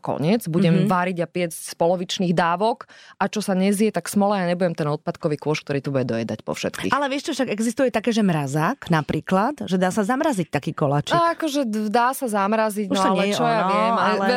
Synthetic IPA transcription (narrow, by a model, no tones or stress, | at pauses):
kɔ̰ɲɪɛd͡zbuɟɛmʋaɾiɟapɪɛt͡scspɔlɔʋit͡ʃniːɣd̪aːʋɔkʔat͡ʃɔsaɲɛzɪɛt̪aksmɔlɛjaɲɛbuɟɛmt̪ɛnɔt̪̚pat̪kɔʋiːkʊɔʃk̚t̪ɔɾiːt̪ubuɟɛd̪ɔjɛd̪acpɔ̰fʃɛt̪kḭːxʔalɛʋɪɛʃt͡ʃɔfʃaɡɛɡzist̪ujɛt̪akɛːʒɛmɾazaːknapɾʔiːklat̪ʒɛd̪aːsazamɾazic̚t̪akiːkɔlat͡ʃiaakɔʒɛd̪aːsazamɾaziɟunʃsaalɛɛt͡ʃɔjaʋɪɛmalɛ